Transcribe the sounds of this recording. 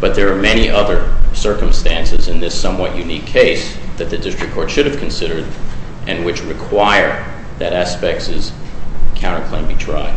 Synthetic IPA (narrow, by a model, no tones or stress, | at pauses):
b̥ʌt̪̚ðə˞ːmɛñiʔʌðə˞sɜ˞kə̃m̩stæ̃nsɨzɨ̃nðɪsʌ̃mwʌʔjʉnikʰeɪsðɨt̪̚ðɨdɪstɹ̥ɨkʰːɔɹtʃʊɾɨv̥kʰn̩sɪɾə˞d̪̚ | ʔɨ̃nwɨt͡ʃɹɨkʰw̥aɪə˞ | ðɨɾæspɛk̚tsɨz̥kʰãʊ̃ɨ̃nkʰl̥ẽɪ̃mbitʰɹ̥aɪd̥̚